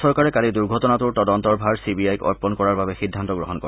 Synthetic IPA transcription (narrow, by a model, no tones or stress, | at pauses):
sɔɹkaɹɛkaliduɹɡʱɔtɔnatuɹtɔdɔntɔɹbʱaɹsibiajkɔ̰ɹpɔnkɔɹaɹbabɛxidʱːant̪ɔɡɹɔɦɔnkɔ